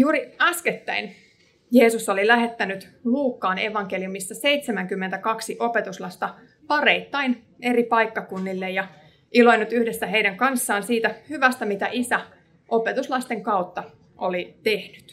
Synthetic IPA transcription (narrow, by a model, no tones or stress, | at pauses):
juːɾiæsket̪ːæin | je̞ːsusːolilæɦe̞t̪ːænyt̪luːkːɑːne̞̰ʋɑŋkeliumisːɑse̞jt̪semæŋkymːent̪ækɑksiʔo̞pe̞t̪uslɑst̪ɑ | pɑreit̪ːɑin | e̞ɾipɑjkːɑkunːilːejɑ | ʔilo̞inːyt̪yhdesːæɦejɾæŋkɑnsːɑːnsiːt̪æhyʋæst̪æmit̪æʔisæ | ʔo̞pet̪uslɑst̪e̞ŋkɑwt̪ːɑ | ʔolit̪e̞hnyt̪